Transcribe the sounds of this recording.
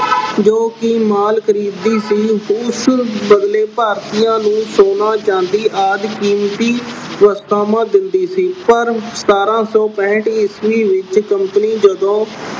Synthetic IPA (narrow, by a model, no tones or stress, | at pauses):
d͡ʒoːkɪmaːlkʰəɾiːd̪iːsiːʊsbəd̪leːpaːɾt̪ijãːnũːsoːnaːt͡ʃãːnd̪iːʔaːd̪kiːmt̪iːʋəst̪aːmãːd̪ɪnd̪iːsiːpəɾsə̥t̪aːɾãːsɔːpɛ̃ːʈɪsʋiːʋɪt͡ʃkəmpəniːd͡ʒəd̪õː